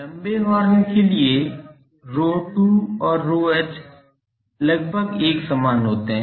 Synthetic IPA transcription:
lɐ̃mbeʋaːɾjõkelie | ɾoːʈuɔːɾːoːet͡ʃ | lɐɡ̚bʱəɡeːksɐmaːnɦoːt̪eɦɛ̃ː

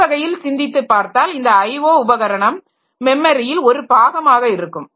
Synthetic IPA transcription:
ɐɣɐjɪlsɪnd̪ɪt̪ːɯpːaːɾt̪aːlɪnd̪ɐːɪɪʋoːʊbɐɣɐɾɐɳɐmː | ɛmːɐɾɪjɪlɔɾɯpaːɣɐmaːɣɐɪɾɯkːɯm

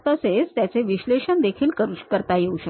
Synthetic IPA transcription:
t̪əsed͡zt̪jat͡seʋiɕleɕənd̪ekʰiːlkəɾukəɾt̪ajeuɕə

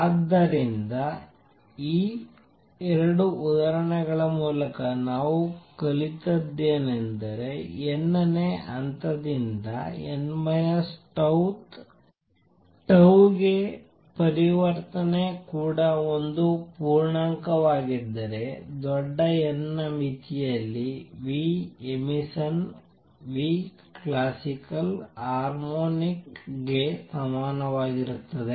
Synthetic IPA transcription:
aːd̪ːɐɾind̪ɐ | iː | ɛɾɐɽuud̪ɐɾɐɳɐɡɐɭɐmuːlɐkɐnaːʋukɐɭit̪ɐd̪ːeːnend̪ɐɾe̞ɛnːɐneʔɐnt̪ɐd̪ind̪ɐ̰ḛnmɐjɐsʈɐt̪ | ʈɐwɡe̞ | pɐɾiʋɐɾt̪ɐnekuːɽɐo̞nd̪upuːɾɳaːŋkɐʋaːɡid̪ːɐɾe̞d̪ɔɖːɐɛnːɐmit̪ʰijɐlːiʋiemisɐn | ʋi | klaːsikɐlhaːɾmoːnikɡesɐmaːnɐʋaːɡiɾut̪ːɐd̪e

